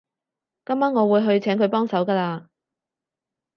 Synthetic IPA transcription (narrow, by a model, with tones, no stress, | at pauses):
kɐ˥maː˥ŋɔː˨˧wuː˨˧jɦɵ˧ɥt͡sʰɛː˨˥ŋkʰɵ˨˧ɥpɔː˥ŋsɐ˨˥wkaː˧laː˧